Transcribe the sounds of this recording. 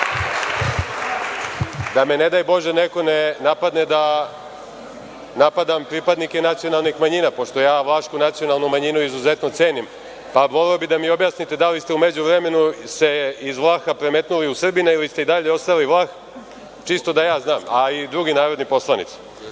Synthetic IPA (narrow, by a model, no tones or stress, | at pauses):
d̪ame̞ned̪ajbo̞ʒeneko̞nenapad̪ned̪a | napad̪ampɾipad̪nike̞nat̪sijo̞nalˠnixmaɲinapo̞ʂt̪o̞jaːʋlˠaːʃkunat̪sio̞nalˠnumaɲinuizuze̞t̪no̞t̪se̞ːnim | paʋo̞leobid̪amio̞bjasnit̪e̞d̪alist̪e̞umed͡ʑuʋɾeme̞nuse̞izʋlˠaːxapɾemet̪nuliusr̩binailist̪e̞id̪aʎeo̞st̪aliʋlˠaːx | t͡ʃist̪o̞d̪ajaːznaːmaid̪ɾuɡinaːɾo̞d̪nipo̞slˠanḭt̪si̥